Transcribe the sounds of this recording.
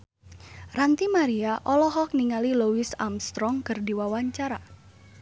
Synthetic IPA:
rant̪imaɾiaʔɔlɔɦɔk̚niŋaliluwisa̰mst̪ɾɔŋkɨrdiwawaɲt͡ʃaɾa

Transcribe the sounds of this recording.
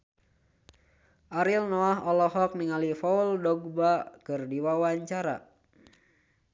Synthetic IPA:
ʔaɾilnɔaɦɔlɔɦɔk̚niŋalifɔuldɔɡ̚bakɨrdiwawaɲt͡ʃaɾa̰

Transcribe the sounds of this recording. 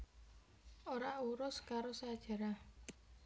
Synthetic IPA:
ʔoɾaʔuɾʊskaɾosad̥ʒ̥a̤ɾa

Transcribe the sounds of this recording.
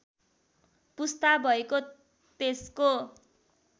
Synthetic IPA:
pust̪abʱʌeko | t̪esko

